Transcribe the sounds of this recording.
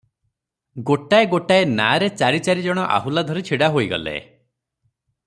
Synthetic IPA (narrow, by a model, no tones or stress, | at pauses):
ɡoʈaeɡoʈaena̰ɾet͡ʃaɾit͡ʃaɾid͡ʒɔɽ̃ɔʔa̰ɦulad̪ʱɔɾit͡ʃʰiɽaɦoiɡɔ̰lḛ